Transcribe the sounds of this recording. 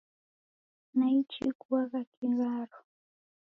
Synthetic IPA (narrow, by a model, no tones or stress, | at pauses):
najt͡ʃɪkwɑɢɑkɪɢɑɾʊ